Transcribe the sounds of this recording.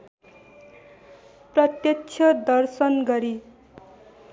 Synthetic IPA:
prʌt̪jʌt͡sʰʌd̪ʌrsʌnɡʌɾi

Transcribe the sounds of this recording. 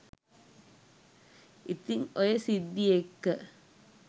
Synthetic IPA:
it̪ːiŋɔjesid̪ːiekːɐ

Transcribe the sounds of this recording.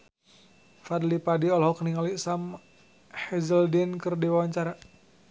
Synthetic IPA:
fad̪lipadiɔlɦɔkniŋalisam | hɛzəldinkɨrdiwawaɲt͡ʃaɾa

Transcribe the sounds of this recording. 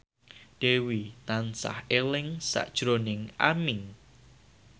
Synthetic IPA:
d̥ewit̪ansa̰helɪŋsa̰ʔd̥ʒ̥ɾonɪŋamɪŋ

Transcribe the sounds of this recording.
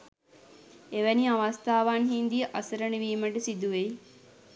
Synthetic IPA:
eʋæniaʋast̪aːʋanɦind̪ijəʔasəɾəɳəʋiːməʈəsid̪uʋej

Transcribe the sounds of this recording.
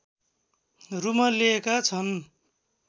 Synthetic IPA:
rumʌliekat͡sʰʌn

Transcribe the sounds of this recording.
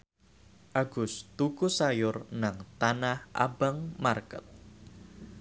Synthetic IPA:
ʔaɡ̥ʊst̪ukusajʊrnaŋt̪anahʔa̰baŋmarkət̪̚

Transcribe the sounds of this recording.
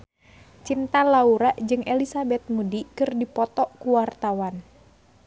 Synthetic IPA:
t͡ʃint̪alauɾaʔd͡ʒɨŋʔelisabɛt̪̚mudikɨrdipɔt̪ɔʔkuwart̪awan

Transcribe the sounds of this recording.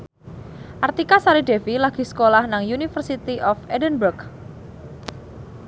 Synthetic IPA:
ʔart̪ikasaɾiɖefilaɡ̥i̤sə̥kolahnaŋjunifərsit̪iʔɔfɛdənburk

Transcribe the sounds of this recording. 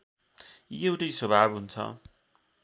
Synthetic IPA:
jewʈʌjswʌbʱabɦunt͡sʰʌ̰

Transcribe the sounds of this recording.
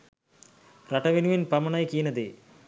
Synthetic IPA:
rɐʈɐʋinuʋinpɐmɐɳɐjkiːnɐd̪e

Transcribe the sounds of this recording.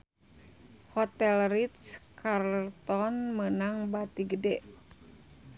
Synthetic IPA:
hɔt̪ɛlrit̪skart̪ɔnmənaŋbat̪iɡədɛʔ

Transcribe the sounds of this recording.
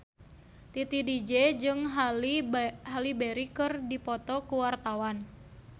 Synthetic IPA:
t̪it̪idid͡ʒed͡ʒɨŋ | ɦalibeɾikɨrdipɔt̪ɔkuwart̪awan

